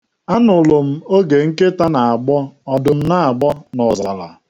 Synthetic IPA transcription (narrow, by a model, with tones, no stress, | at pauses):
a˦nʊ˨lo˨m̩˦o˦ɡe˨ŋ̩˦ke˦ta˦na˨a˨ɡ͡bɔ˦ɔ˨dʊ˨m̩˦na˦a˨ɡ͡bɔ˦nɔ˨za˨la̰˨